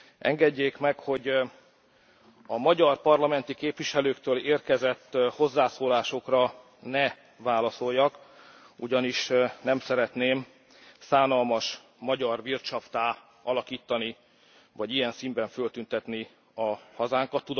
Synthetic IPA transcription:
ʔɛ̰ŋɡɛɟːeːkmɛkho̞ɟ | ɒmɒɟɒrpɒrlɒmɛnt̪ikeːpʋiʃɛløːkt̪øːleːrkɛzɛt̪ːho̞zːaːsoːlaːʃo̞krɒ | nɛ | vaːlɒso̞jːɒk | uɟɒniʃnɛmsɛɾɛt̪neːm | saːnɒlmɒʃ | mɒɟɒrʋirt͡ʃɒft̪aː | ɒlɒkiːt̪ːɒni | vɒɟijɛnsimbɛɱfølt̪ynt̪ɛt̪ni | ɒhɒzaːŋkɒt̪ːud̪

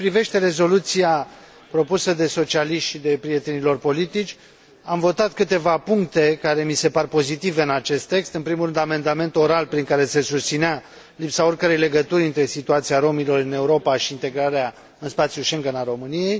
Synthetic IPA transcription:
pɾive̞ʃt̪e̞ɾe̞zo̞lut̪sia | pɾo̞pusəd̪e̞so̞t͡ʃialiʃt̪ʃid̪e̞pɾije̞t̪enilo̞rpo̞lit̪it͡ʃʲ | amvo̞t̪at̪kɨt̪e̞vapuŋk̚t̪e̞kaɾe̞mise̞parpo̞zit̪ive̞ɨnat͡ʃe̞st̪ːe̞kst̪ɨnpɾimurɾɨnd̪ame̞nd̪ame̞nt̪o̞ɾalpɾiŋkaɾe̞se̞sust̪sinea | lipsao̞rkəɾejle̞ɡət̪uɾʲɨnt̪ɾe̞sit̪uat̪siaɾo̞milo̞ɾɨne̞uɾo̞paʃiːnt̪e̞ɡɾaɾea | ɨnspat̪sjuʃeŋɡənaɾo̞mɨnije̞j

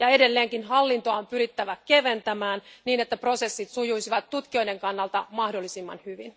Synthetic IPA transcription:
jɑe̞delːeːŋkinɦɑlːint̪oɑompyɾit̪ːæʋæke̞ʋe̞nt̪æmæːnniːnet̪ːæpro̞se̞sːit̪sujujsiʋɑt̪ːut̪kio̞jde̞ŋkɑnːɑlt̪ɑmɑhdo̞lːisimːɑ̰nhyʋin

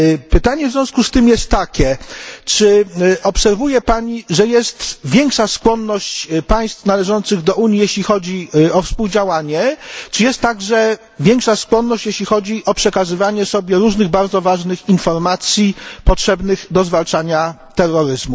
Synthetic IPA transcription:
pɘt̪aɲɛvzʲjɔ̃skust̪ɘmjɛst̪ːakʲɛt͡ʂɘɔpsɛɾvujɛpaɲiʐɛjɛst̪vʲjɛŋkʂaskwɔnːɔɕt͡ɕpaj̃st̪fnalɛʐɔnt̪sɘɣd̪ɔʔuɲjijeɕlʲixɔd͡ʑiɔfspuwd͡ʑawaɲɛt͡ʂɘjɛst̪ːaɡʐɛ | vʲjɛŋkʂaskwɔnːɔɕt͡ɕjeɕlʲixɔd͡ʑiʔɔpʂɛkazɘvaɲɛsɔbʲjɛɾuʐnɘɣbaɾd̪zɔvaʐnɘxinfɔɾmat̪sʲjipɔtʂɛbnɘɣd̪ɔzvalt͡ʂaɲat̪ɛrːɔɾɘzmu

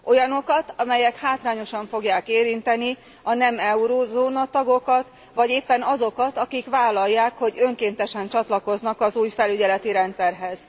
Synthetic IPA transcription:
ʔo̞jɒno̞kɒt̪ɒmɛjɛkhaːt̪raːɲo̞ʃɒɱfo̞ɡjaːkeːɾint̪ɛni | ɒnɛmɛuɾozoːnɒt̪ɒɡo̞kɒt̪ | ʋɒɟeːpːɛnɒzo̞kɒt̪ɒkikʋaːlːɒjːaːkho̞ɟø̞ŋkeːnt̪ɛʃɛnt͡ʃɒt̪lɒko̞znɒkɒzuːjfɛlyɟɛlɛt̪iɾɛnt̪sɛrɦɛz̥

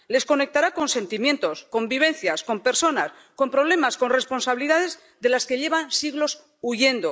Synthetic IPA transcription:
le̞sko̞ne̞k̚t̪aɾako̞nse̞nt̪imjẽ̞nt̪o̞sko̞mbiβ̞e̞nθjasko̞mpe̞ɾso̞nas | ko̞mpɾo̞β̞le̞masko̞nre̞spo̞nsaβiliðaðe̞z | ðe̞laske̞ʎe̞βansiɣlo̞s | uʝe̞nd̪o̞

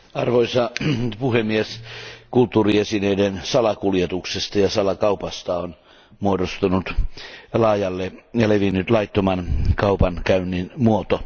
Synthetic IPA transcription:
ɑrʋoisɑpuhemːieskult̪ːuːriesineidensɑlɑkuljet̪uksest̪ɑjɑsɑlɑkɑupɑst̪ɑon | muodost̪unut̪lɑːjɑlːejɑleʋinːyt̪lɑit̪ːomɑnkɑupɑnkæynːinmuot̪o

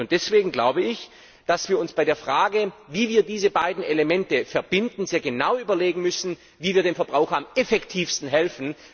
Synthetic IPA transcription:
ʊntd̥ɛsv̥eːɡŋ̩ɡla̰ʊbəɪç | d̥asv̥iːɐʊnsb̥aɪdeːɐfʁ̥aːɡəviːviːɐdiːzəbaɪdn̩eləmɛntəfɛɐbɪndn̩zeːɐɡənaʊyːbɐleːɡŋ̩mʏsn̩ | viːviːɐdeːnfɛɐbʁaʊxɐamɛfɛktʰiːfstn̩ɦɛlfn̩

